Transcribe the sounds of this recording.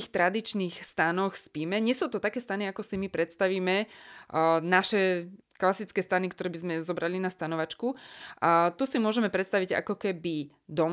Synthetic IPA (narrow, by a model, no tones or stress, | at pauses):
ixt̪ɾad̪it͡ʃniːxst̪anɔxspimɛɲɪɛsuːt̪ɔt̪akɛːst̪aniakɔsimipɾɛt̪st̪aʋiːmɛ | naʃɛ | klasit͡skɛːst̪anikt̪ɔɾɛːbizmɛzɔbɾalinast̪anɔʋat͡ʃkuʔat̪usimʊɔʒɛmɛpɾɛt̪st̪aʋiɟa̰kɔkɛbi | d̪ɔm